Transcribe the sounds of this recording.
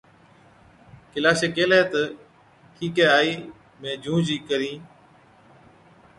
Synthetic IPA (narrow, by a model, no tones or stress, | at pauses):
kɪlaːʃeːkeːleːt̪ə | ʈʰiːkɛːaːiː | mẽːd͡ʒʱũːd͡ʒiːkəɾĩː